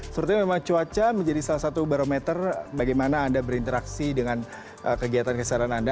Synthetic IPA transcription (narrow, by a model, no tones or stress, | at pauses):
səɾʊt̪̚ɲamemaŋt͡ʃuat͡ʃaməɲd͡ʒadisalasat̪ubaɾomɛt̪ərbaɡajmanaːndabəɾint̪əɾaksidəŋan | ʔəkəɡiat̪ankəsalananda